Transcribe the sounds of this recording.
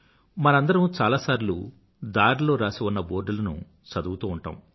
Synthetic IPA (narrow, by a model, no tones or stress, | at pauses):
mɐnɐɐnd̪ɐɾɐmut͡ʃaːlaːsaːɾilṵː | d̪aːɾlo̞ːɾaːsiʋunːɐboːɾɖulɐnṵ | t͡ʃɐd̪uwt̪uːuɳʈa̰ːmu